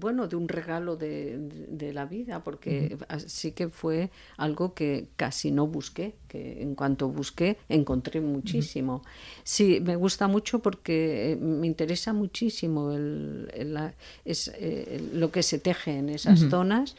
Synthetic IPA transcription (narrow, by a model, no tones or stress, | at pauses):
bwe̞noðeunre̞ɣ̞alo̞ðed̪elaβiðapo̞ɾkeasike̞fwe̞ | alɣo̞ke̞ka̰sino̞βuske̞kḛḛŋkwant̪o̞βuske̞eŋko̞nt̪ɾe̞mut͡ʃisimo̞sime̞ɣ̞ust̪amut͡ʃo̞po̞ɾke̞me̞int̪e̞ɾe̞samut͡ʃisimo̞el̰la | esḛːo̞ke̞se̞t̪e̞xeːne̞sasθθo̞nas